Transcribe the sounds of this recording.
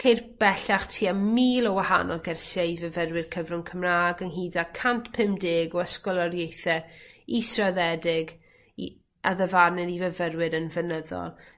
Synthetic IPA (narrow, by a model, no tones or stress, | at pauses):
kʰejrb̥ɛɬaχtʰiːamiːlˠɔwaha̰nɔlˠɡɛrsjaivəvərwɨrkʰəvrʊmkʰəmraːɡənɦiːdakʰantʰpʰɪmdɪːɡɔəskɔlˠaɾjejθɛisraðɛdɪɡ | i | aðəvarnɨɾivəvərwɨɾənvənəðɔ̰lˠ